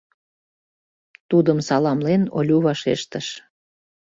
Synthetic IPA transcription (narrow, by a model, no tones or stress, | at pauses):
t̪ud̪əmsɑlɑmleno̰lʲuβɑʃḛʃt̪əʃ